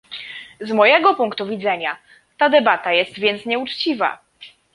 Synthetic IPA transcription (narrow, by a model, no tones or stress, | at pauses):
zmɔjɛɡɔpuŋkt̪uvʲid̪zɛɲa | t̪ad̪ɛbat̪ajɛst̪vʲjɛnt̪sɲɛut͡ʂt͡ɕiva̰